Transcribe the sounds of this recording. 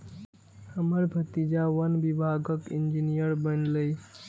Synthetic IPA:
həməɾbʱət̪id͡ʒaʋənbibʱaɡəkind͡ʒinijəɾbənləj

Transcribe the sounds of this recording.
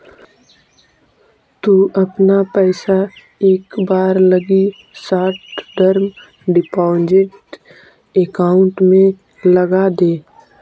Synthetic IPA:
t̪uːʔɐpnapɛːɪsa | eːkbaːɾləɡi | saːʈɖəɾm | ɖɪpaːnd͡ʒeʈ | eːkaːʊ̃ɳʈmẽ | ləɡad̪eː

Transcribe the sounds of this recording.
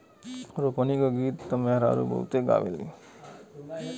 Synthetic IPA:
ɾopənikaɡiːt̪ːɐmeɦɾa̰ːɾṵbə̰ut̪eɡa̰ːʋḛlḭ

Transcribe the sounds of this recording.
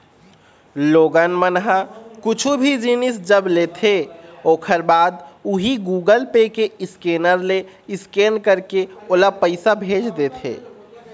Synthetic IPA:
loːɡənmənɦakʊt͡ʃʰubʱid͡ʒinɪsd͡ʒəbleːt̪ʰeoːkʰəɾbaːd̪uɦiɡuːɡəlpekeɪskeːnəɾle | ɪskeːnkəɾkeoːlapəɪsabʱeːd͡ʒd̪eːt̪ʰḛː

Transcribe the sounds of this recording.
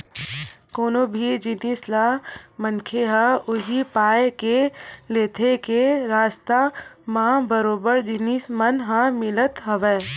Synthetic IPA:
koːnobʱid͡ʒɪniːslamənkʰeɦãʊɦipaːjekeleːt̪ʰekeɾaːst̪amãːbəɾoːbəɾd͡ʒɪnismənɦãmɪlət̪ɦɐʋɛː

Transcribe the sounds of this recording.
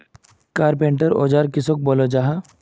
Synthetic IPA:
kaːɾpẽːɳʈəɾo̰ːd͡ʒaːɾkɪsok̚boːlod͡ʒaːɦa

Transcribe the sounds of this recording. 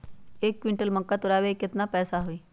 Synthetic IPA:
eːkːwɪ̃ɳʈəlmɐ̃kːat̪ʊɾaːwekɪt̪napɛːsaɦoiː

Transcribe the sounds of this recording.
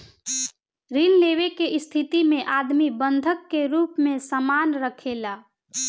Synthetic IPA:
ɾinleːwekeɪst̪ʰɪt̪imẽʔaːd̪mibə̃nd̪ʱəkːeɾuːpmẽsəmaːnɾəkʰeːlaː

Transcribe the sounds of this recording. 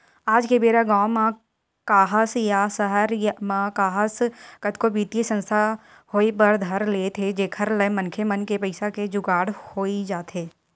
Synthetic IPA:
aːd͡ʒkebeːɾaɡãːwmã | kaːɦəsjasəɦəɾjmãkaːɦəskət̪kobiːt̪isə̃nst̪ʰa | hoːipəɾd̪ʱɐɾlet̪ʰed͡ʒeːkʰəɾləmənkʰemənkepəɪsaked͡ʒʊɡaːɽhoːid͡ʒaːt̪ɦeː

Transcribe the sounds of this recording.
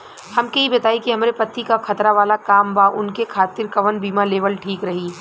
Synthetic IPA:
hɐmkɐɦibɐt̪aːikiɦɐmɾepɐt̪ːikaxʰɐt̪ɾaʋaːlakaːmbaʔʊnkekʰaːt̪ɪɾkɐʋənbiːmaleːʋəlʈʰiːkɾɐɦiː

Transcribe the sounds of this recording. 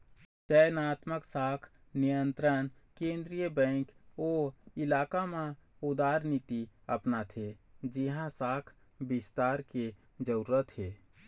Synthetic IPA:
t͡ʃəjnaːt̪məksakʰ | nijənt̪ɾənkẽnd̪ɾijəbɛ̃ŋkoilakamẽud̪aɾnit̪iəpnat̪ʰed͡ʒiɦãsakʰ | bist̪aɾke | d͡ʒəɾuɾət̪ɦe

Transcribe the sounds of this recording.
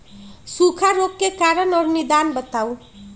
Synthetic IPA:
sukʰaɾokːekaɾʌnʌɾunid̪anbʌt̪aw

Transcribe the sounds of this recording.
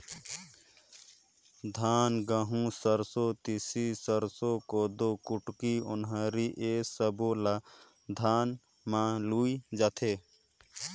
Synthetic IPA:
d̪ʱaːnɡəɦũsəɾsot̪isisəɾsokoːd̪oːkʊʈkiʊnɦaɾiʔeːsəbola | d̪ʱaːn | mãluːid͡ʒat̪ʰeː

